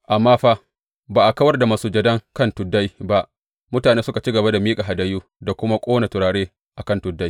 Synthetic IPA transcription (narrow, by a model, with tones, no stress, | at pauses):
ʔa˨mːaː˦ɸaː˦ | baː˨ʔa˨kɐ˦wɐ˦rda˨ma˦suː˦d͡ʒɐ˨dɐ˦ŋkɐ˦˨ntʊ˨dːa˦jba˦ʔ | mʊ˦taː˨neː˦sʊ˦ka˨t͡ʃi˦ɡɐ˨ba˦da˨miː˦kʼa˨ɦa˨da˦juː˦ | da˨kʷʊ˦ma˦kʷʼoː˦na˨tʊ˨ɽaː˨ɽeː˦ | ʔa˨kɐ˦ntʊ˨dːa˦j